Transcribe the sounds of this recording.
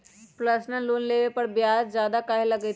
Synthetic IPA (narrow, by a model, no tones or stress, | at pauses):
pləsnəluːnleːʋepəɾbjaːd͡ʒd͡ʒjaːd̪akaɦeləɡɛt